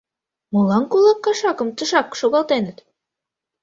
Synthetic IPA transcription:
mulˠɑŋkulˠɑkːɑʃɑkɤ̆mt̪ɤ̆ʃɑkːʃoɣɑlˠt̪enɤ̆t̪

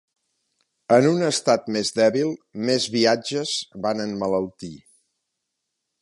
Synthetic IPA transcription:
ənunəst̪at̪mezd̪ɛβilˠmezβiad͡ʒəzβanənmələwt̪i

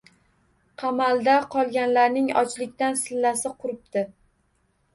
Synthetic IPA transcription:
qʰɑmalˠd̪aqʰɒlˠɡʲanlaɾnɪŋɒ̰t͡ʃlɪkʲt̪ansɪlːasɪqʰʊɾɪp̚t̪ɪ

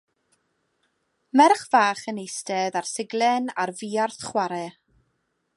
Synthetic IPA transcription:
mɛrχvaːχənejstɛðarsɪɡlˠɛnarviːarθχwaɾɛ

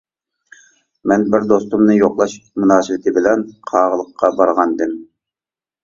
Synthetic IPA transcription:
mɛnbɪɾd̪ost̪umnɨjoqlˠɑʃmunɑːsɨwɪt̪ʰɪbɪlɛnqʰɑːʁəlˠəqʰːɑbɑɾʁɑnd̪ɨm

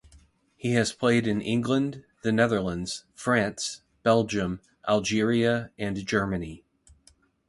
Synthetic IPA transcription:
hiɨz̥pʰl̥eɪɾɨ̃nʔɪ̃ŋɡlə̃n | ðɨnɛðə˞lˠə̃ndz̥fɹæ̃ns | b̥ɛlˠd͡ʒɨ̃m | ʔælˠd͡ʒɪɹiɨɨ̃nd͡ʒɜ˞mɨni

